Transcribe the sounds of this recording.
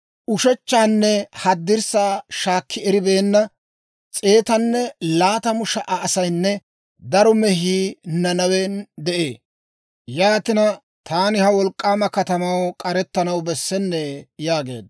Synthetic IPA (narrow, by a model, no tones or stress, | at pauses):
ʔʊʃɛt͡ʃːaːnːɛhɐd̪ːɪɾsaːʃaːkʰːɪɛɾɪbe̞ːnːɐ | t͡sʼe̞ːt̪ɐnːɛlaːt̪ɐmʊʃɐʔɐːsɐjnːɛ | d̪ɐɾɔmɛhiːnɐnɐwɛnd̪ɛʔḛː | jaːt̪ɪnɐ | t̪ʰaːnɪhɐwɔlkʼːaːmɐkɐt̪ɐmɐwkʼɐɾɛt̪ːɐnɐwbɛsːɛnːɛjaːɡe̞̰ːd̪̚